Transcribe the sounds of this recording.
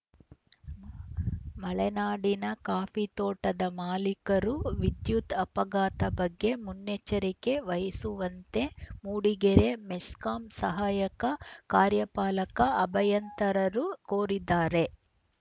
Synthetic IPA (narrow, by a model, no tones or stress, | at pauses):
mɐɭɛnaːɽinɐkaːpit̪oːʈɐd̪ɐmaːlikɐɾuʋid̪jut̪ɐpɐɡaːt̪ɐbɐɡːe̞munːet͡ʃɐɾike̞ʋɐjɐsuʋɐnt̪e̞muːɽiɡeɾe̞meskaːmsɐɦaːjɐkɐkaːɾjɐpaːlɐkɐɐbɐjɐnt̪ɐɾɐɾukoːɾid̪aːɾe̞